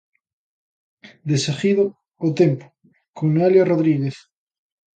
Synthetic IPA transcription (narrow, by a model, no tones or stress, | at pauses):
d̪esexiðoː | t̪empo̥ | koŋnaljaroðɾiɣeθ